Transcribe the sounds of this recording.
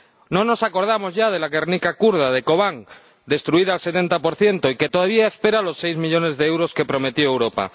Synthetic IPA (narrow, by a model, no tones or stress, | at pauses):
nõ̞nosako̞ɾðamo̞zʝað̞e̞laɣernikakuɾð̞aðeko̞βaŋ | d̪e̞st̪ɾuiðaːlse̞t̪e̞nt̪apo̞ɾθje̞nt̪oike̞t̪oðaβ̞iaespe̞ɾalo̞sːejzmiʎo̞ne̞zðeewɾo̞ske̞pɾo̞me̞t̪joewɾo̞pa̰